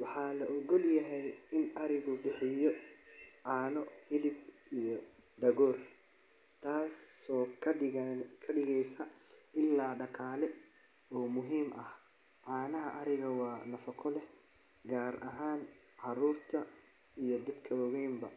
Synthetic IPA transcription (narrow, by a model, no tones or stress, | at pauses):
wɑħɑːlɐʔɔɣɔljɐɦɛjɪnʔɐɾɪɣʊbɪħɪjɔ | ʕɑːnɔhɪlɪb̚ | ijɔ | ɖɐɣɔːr | t̪ʰaːsɔː | kʰɐɖɪɣɛjsɐʔɪlːaːɖɑqʰɑːlɛ | ɔːmʊɦiːmʔɐh | ʕɑːnɐɦɐʔɐɾɪɣɐwɑːnɐfɑqʰɔlɛh | ɡaːɾʔɐɦaːn | ħɑɾuːrt̪ʰɐ | ijɔd̪ɐd̪kʰɐwɐwɛːmbɐ